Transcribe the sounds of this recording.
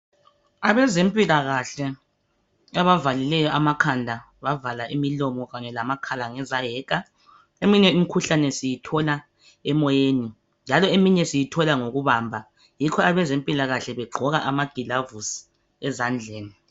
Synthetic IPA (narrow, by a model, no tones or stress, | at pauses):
aβɛzempʼilaɣaɬɛ | aβavalilɛjɔamakʰandʱa | βavalaʔimilɔmɔɣaɲɛlamakʰalaŋɛzajɛːka | emiɲɛum̩ikʰuɬanɛsijitʰɔla | ɛmɔjeːni | nd͡ʒʱalɔemiɲɛsijitʰɔlaŋoɣuβaːmbʱa | jikʰɔaβɛzempʼilaɣaɬɛβɛɡ͡ǃʱɔɣaʔamaɡ̥ʱilavus | ɛzand͡ɮʱeːni